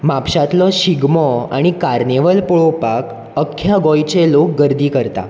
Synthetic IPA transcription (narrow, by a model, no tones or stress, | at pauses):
mapɕat̪lɔɕiɡmɔa̰ɽ̃ikaɾneʋəlpoɭopak | əkʰːjaɡɔjt͡ɕelok̚ɡəɾd̪ʱiːkəɾt̪a̰